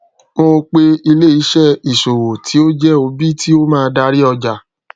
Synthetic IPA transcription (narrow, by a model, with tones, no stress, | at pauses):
mo˧k͡pe˧i˧le˦˨i˨˧˦ʃɛ˦i˨ʃo˨wo˨tʰi˨˦o˦d͡ʒɛ˦o˧bi˦tʰi˦o˦mãː˦˧˦da˧˦ɾi˦ɔ˧d͡ʒa˨